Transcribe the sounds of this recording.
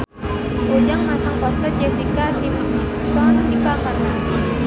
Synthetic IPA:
kud͡ʒaŋmasaŋkɔst̪ad͡ʒɛsikasimns | sɔnipamana

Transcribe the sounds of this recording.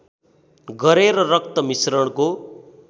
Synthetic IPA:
ɡʌɾeɾʌrʌk̚t̪ʌmisrʌɽ̃ko

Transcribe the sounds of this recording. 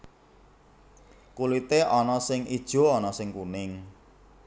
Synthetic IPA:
kulit̪eʔɔnɔsɪŋid̥ʒ̥o̤ɔnɔsɪŋkunɪŋ

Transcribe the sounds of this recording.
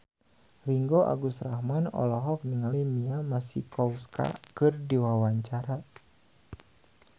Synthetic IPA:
riŋɡoʔa̰ɡusrahmanɔ̰lɔɦɔk̚niŋalimiamasḭkɔuska̰kɨrdiwawaɲt͡ʃaɾa

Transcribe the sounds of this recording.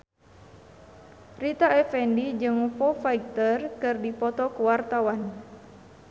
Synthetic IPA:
rit̪aɛfɛndid͡ʒɨŋfɔfaik̚t̪ərkɨrdipɔt̪ɔkuwart̪awan

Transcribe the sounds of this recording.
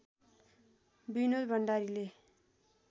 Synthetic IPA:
binod̪bʱʌɳɖaɾile

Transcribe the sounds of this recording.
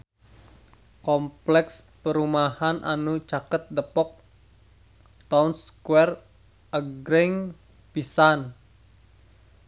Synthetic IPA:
kɔmplɛkspəɾumahanʔa̰nut͡ʃakət̪̚dəpɔk̚ | t̪aunskwɛr | ʔəɡɾɛŋ | pisan

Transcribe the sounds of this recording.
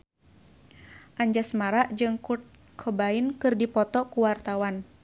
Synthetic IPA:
ʔaɲd͡ʒasmaɾaʔd͡ʒɨŋku | kʰɔbainkɨrdipɔt̪ɔkuwart̪awan

